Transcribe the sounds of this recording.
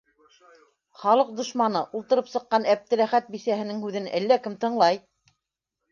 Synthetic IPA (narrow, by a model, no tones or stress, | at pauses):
χɑlˠɤq̚d̪ŏʃmɑnɤʔulˠt̪ɤ̆ɾɤpsɤ̆qːɑnæp̚t̪ɘ̆ɾæχæt̪̚bisæhɘ̆nɘŋhʉðɘnæ̰lːækɘmt̪ɤ̆ɴlˠɑj